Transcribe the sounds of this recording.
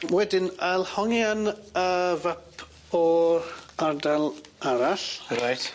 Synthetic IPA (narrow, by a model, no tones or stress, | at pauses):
wɛdɪnalˠhɔŋjanəvapʰ | ɔ | ardalˠaɾaɬɾajt